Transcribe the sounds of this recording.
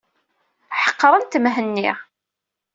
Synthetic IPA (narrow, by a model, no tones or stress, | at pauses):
ħə̥qːɾˤənt̪mɦənːiʁ